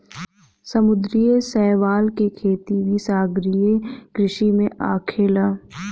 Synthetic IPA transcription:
sɐmʊd̪ɾijesɛːʋaːlkekʰeːt̪iʋisaːɡɾijekɾɪʃimẽʔaːkʰelaː

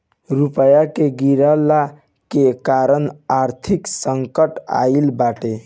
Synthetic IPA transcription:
ɾupəjakeɡiɾəlːa | kekaɾənaɾt̪ʰiksəŋkəʈa̰ilbaʈe

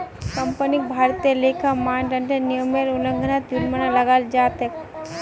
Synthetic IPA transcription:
kɐmpənik̚bʱaːɾt̪ielekʰamaːɳɖɐɳʈenijəmeɾulə̃ŋɡʱənat̪juɾmənalɐɡaːld͡ʒaːt̪ek

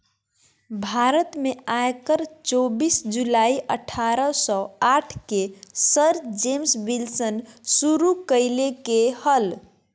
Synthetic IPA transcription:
bʱaɾət̪meajkəɾt͡ʃobisd͡ʒulaiʔəʈʰaɾəsɔaʈʰkesəɾd͡ʒemsbilsənsuɾukəjlekehəl

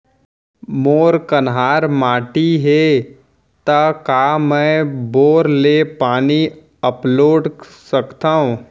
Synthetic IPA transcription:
moːɾkənɦaːɾmaːʈiɦe | t̪akaːmɛ̃ːboːɾlepaːni | əploːɖsəkt̪aːɦõː

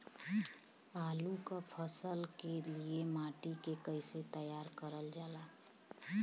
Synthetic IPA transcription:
alukapʰəsəlkeliemaʈikekəɪset̪əjaɾkəɾəld͡ʒala

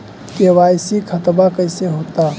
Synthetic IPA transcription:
kewajsikʰət̪bakəɪseɦot̪a

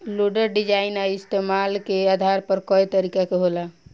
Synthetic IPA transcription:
loɖəɾɖid͡ʒainaist̪emalkead̪ʱaɾpəɾkɔjt̪əɾikakeɦola

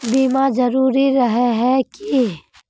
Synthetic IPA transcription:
biːmad͡ʒɐɾuːɾiɾɐɦeɦɛki

